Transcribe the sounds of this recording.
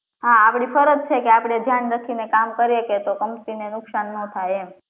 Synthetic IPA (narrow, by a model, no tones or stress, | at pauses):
ɦãːpɽ̃ifʰəɾət̪̚t͡ʃʰekeapɽ̃ed̪ʱjanɾakʰinekamkəɾeket̪okəmt̪inenʊksanːot̪ʰajem